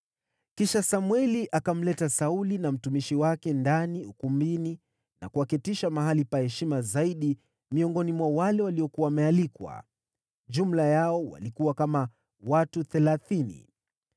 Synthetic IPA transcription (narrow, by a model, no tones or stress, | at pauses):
kiʃasamwɛliʔakam̩lɛtasaulinam̩tumiʃiwakɛndaniukumbini | na̰kuwakitiʃamaɦalipahɛʃimazaiɗi | miɔŋɡɔnimwawalɛwaliɔkuwamɛalikwa̰ | ʄum̩lajaɔwa̰likuwakama | watuθɛlaθinḭ